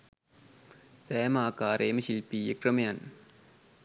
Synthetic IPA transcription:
sɐjɐmaːkaːɾeːmɐʃilpiːjekɾɐmɐjan

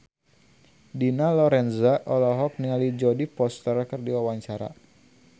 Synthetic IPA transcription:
dinalɔɾɛnzaʔɔlɔɦɔk̚niŋalid͡ʒɔdipɔst̪ərkɨrdiwawaɲt͡ʃaɾa̰

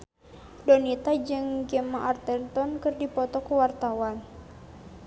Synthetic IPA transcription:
dɔnit̪ad͡ʒɨŋɡɛmaʔart̪ɛnt̪ɔnkɨrdipɔt̪ɔkəwart̪awan

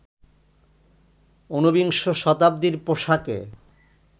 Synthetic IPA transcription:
onubiŋʃoʃɔt̪ab̚d̪iɾpoʃakḛ

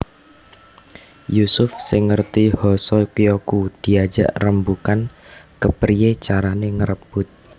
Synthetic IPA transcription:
jusʊfsɪŋːərt̪ihɔsɔkijokud̪̥i̤ḁd͡ʒa̰ʔrəmbukankəpɾijet͡ʃaɾaneŋəɾəb̥ʊt̪̚

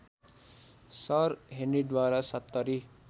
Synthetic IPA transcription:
saɾɦeɳiɖ̪ʋaːɾasɐt̪ːəɾi

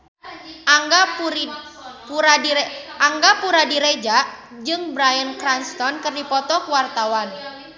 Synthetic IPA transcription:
ʔaŋɡa | puaʔaŋɡapuɾadiɾed͡ʒaʔ | d͡ʒɨŋbɾajənkɾanst̪ɔnkɨrdipɔt̪ɔkuwart̪awan

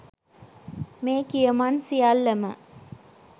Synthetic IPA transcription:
meːkijəmansijalːɐmə̰

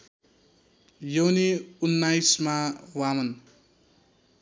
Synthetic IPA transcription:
jʌwniunːajsmawamʌn

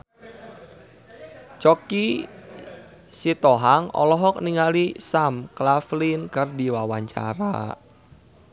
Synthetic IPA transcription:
t͡ʃɔki | sit̪ɔɦaŋɔ̰lɔɦɔk̚niŋalisamklaflinkərdiwawaɲt͡ʃa̰ɾa̰

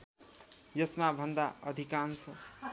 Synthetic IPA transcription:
jʌsmabʱʌnd̪aʌd̪ʱikansʰʌ

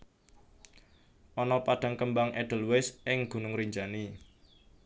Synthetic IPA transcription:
ʔɔnɔpad̥äŋkəmbaŋʔɛd̥ə̤lwɪsʔɪŋɡ̥ṳnʊŋɾiɲd͡ʒani

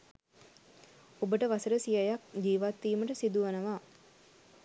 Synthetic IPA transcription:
obəʈəʋasəɾəsijajak̚d͡ʒiːʋat̪ːiːməʈəsid̪uʋanəʋaː

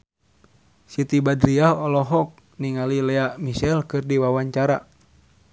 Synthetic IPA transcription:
sit̪ibadɾiahɔlɔɦɔk̚ | niŋalilɛaʔmiʃɛlkɨrdiwawaɲt͡ʃaɾa

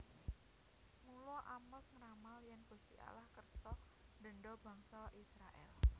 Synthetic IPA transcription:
mulɔʔamɔsŋɾamalijanɡ̥ust̪ḭʔa̰lahkərsɔ | ɖ̪̥ə̤ɳɖɔba̤ŋsaʔisɾaʔɛ̰l

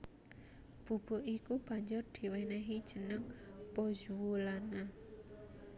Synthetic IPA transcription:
b̥ṳb̥o̤ʔikub̥a̤ɲd͡ʒʊrd̪̥i̤wɛnɛɦid̥ʒ̥ənəŋpod͡ʒuwulana

